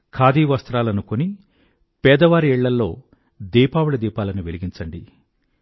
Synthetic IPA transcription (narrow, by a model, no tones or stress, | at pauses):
kʰaːd̪iːʋɐst̪ɾaːlɐnukoni | pɛːd̪ɐʋaːɾiɛɭːɐlːo̞ː | d̪iːpaːwuɭɐd̪iːpaːlɐnuʋeliɡiɲt͡ʃɐɳɖi